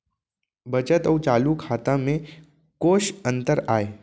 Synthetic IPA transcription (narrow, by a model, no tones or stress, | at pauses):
bɐt͡ʃət̪ɔːt͡ʃaːlukʰaːt̪amẽ | koːʃə̃nt̪əɾaːeː